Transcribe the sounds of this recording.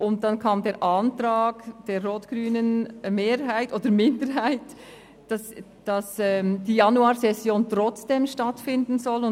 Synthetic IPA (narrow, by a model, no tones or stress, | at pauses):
ʔʊnt̚d̥ɑnkʰɑːmdeːɾʔantɾaːɡd̥eːɾroːtɡ̥ɾyːnənmeːɾɦaɪtʔoːdəɾmɪndəɾɦaɪt | d̥ɑs | d̥ɑsɛmd̥iːjɑnuaːɾsɛsjoːntʁɔt͡sd̥eːmʃtɑtfɪndn̩zɔlʊ